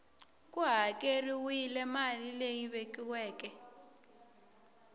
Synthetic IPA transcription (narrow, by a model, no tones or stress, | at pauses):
kʼuɦakʼeriwilɛmalilejiɓekʼiwɛːkʼɛ